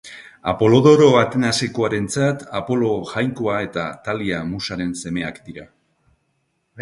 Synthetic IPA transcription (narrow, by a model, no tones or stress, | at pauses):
a̰po̞lo̞ðo̞ɾo̞at̪e̞nasekoaɾe̞nt͡sat̪apo̞lo̞ʝajŋko̞ae̞t̪at̪aliamusaɾe̞nse̞me̞akd̪iɾa